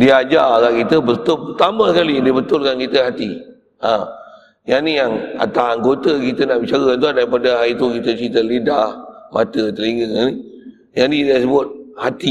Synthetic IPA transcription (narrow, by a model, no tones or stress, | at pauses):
diad͡ʒakaʔkit̪əbət̪ʊlpət̪amə̃səkalidibət̪ʊlkankit̪əɦat̪i | ã | janijaŋa̰t̪asaŋɡot̪əkit̪ənaʔmət͡ʃaɡaant̪uandaɾipadəɦait̪ukit̪ət͡ʃit̪əlidahma̰t̪ət̪əliŋɡəani | janidasəbat̪̚hat̪i